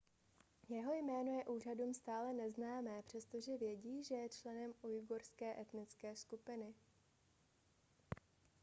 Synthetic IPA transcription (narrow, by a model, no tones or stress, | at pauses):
jɛɦo̞jmɛːno̞jɛʔuːr̝aduːmst̪aːlɛnɛznaːmɛːpr̝̥ɛst̪o̞ʒɛvjɛɟiːʒɛjɛt͡ʃlɛnɛmujɡoɾskɛːʔɛt̪nɪt͡skɛːskupɪnɪ